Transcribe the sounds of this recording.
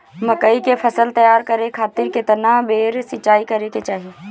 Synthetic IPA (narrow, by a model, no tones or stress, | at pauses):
məkəikepʰɐsəlt̪ɐjaːɾkəɾekʰaːt̪ɪɾket̪ənabeːɾsɪt͡ʃaːikɐɾeket͡ʃaːɦie